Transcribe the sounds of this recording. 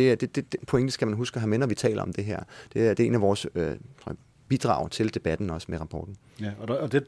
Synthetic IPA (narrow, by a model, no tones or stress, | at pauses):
d̥e̝æɐd̥e̝d̥e̝d̥epʰo̽eŋd̥əsɡ̥æmænɦusɡ̥əɦæmenɐʋit͡sʰɛ̰ːlɐɒ̽md̥e̝ɦeɐ̰d̥e̝æɐd̥ee̝næʋɒːsøʁɒ̰ | b̥id̥ʁɑ̰̈ʊ̰t͡sʰe̝ld̥e̝b̥æd̥n̩ɒ̽smeʁɑ̈pʰɒ̰ːd̥n̩ | d̥e